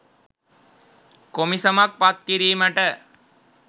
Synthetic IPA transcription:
komisəmak̚pat̪̚kiɾiːməʈə

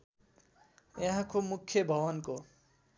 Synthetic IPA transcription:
jʌ̃ɦãkomukʰjʌbʱʌbʌnko

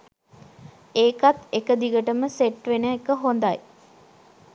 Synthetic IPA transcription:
eːkat̪ekəd̪iɡəʈəməseʈʋenəekəɦond̪aj

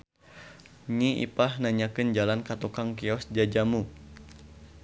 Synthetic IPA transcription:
ɲiḭpahnaɲakɨnd͡ʒalankat̪ukaŋkiɔsd͡ʒad͡ʒamu

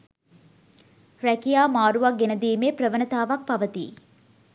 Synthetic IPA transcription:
ɾækijaːmaːɾuʋak̚ɡenəd̪iːmeːprəʋənət̪aːʋak̚paʋət̪ḭː

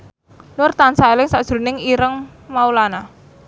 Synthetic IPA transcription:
nʊrt̪ansaelɪŋsad̥ʒ̥ɾṳnɪŋiɾəŋmaulana

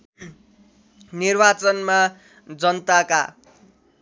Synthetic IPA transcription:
nirbat͡sʌnma | d͡zʌnt̪aka̰

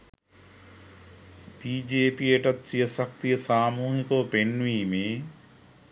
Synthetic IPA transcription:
b̥iːd͡ʒeːpieʈɐt̪sijəsɐk̚t̪ijəsaːmuːɦikoʋpenːʋiːmeː

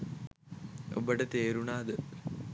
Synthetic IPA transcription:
o̰bɐɽet̪eːɾuɳaːðɨ

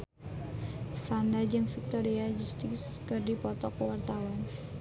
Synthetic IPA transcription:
fandad͡ʒɨŋfik̚t̪oɾiad͡ʒust̪ɪkskərdipɔt̪ɔkəwart̪awan

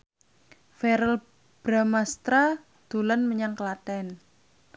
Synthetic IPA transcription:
fɛɾəl | b̥ɾamast̪ɾa | d̪̥o̤lanməɲaŋkəlatɛn

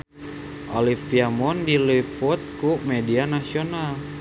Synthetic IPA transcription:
ʔolifiamɔndiliput̪̚kumɛdianasional

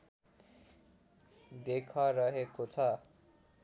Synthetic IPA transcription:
d̪ekʰʌɾʌɦekot͡sʰʌ

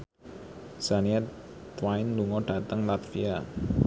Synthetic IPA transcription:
saniɛt̪t̪waɪnluŋɔɖ̥ä̤t̪əŋlat̪fia

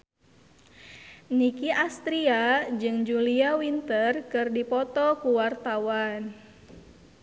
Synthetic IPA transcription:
nikiʔast̪ɾiad͡ʒɨŋd͡ʒuliawint̪ərkɨrdipɔt̪ɔkuwart̪awan

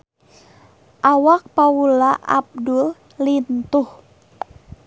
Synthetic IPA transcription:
ʔawak̚paulaʔa̰b̚dul | lint̪uh

